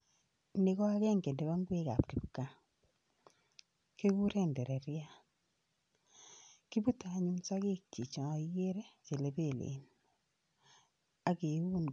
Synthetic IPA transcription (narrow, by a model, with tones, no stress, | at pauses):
ne˨ɣɔ˦a˦kɛ˦ŋɡe˨ndɛ˨βa˦ŋɡwe˦ka̰˨p̚ɾi˨pka˦ | ke˦ku˦ɾɛ˦˨ndɛ˨ɾɛ˨ɾja˦ | ki˦bu˦ta˨ɲu˦msa˦ke˦t͡ʃi˨t͡ʃa˨˦je˦ɾe˦t͡ʃe˨le˨be˦˨lḛ˨n | a˨ke˨˦u˦n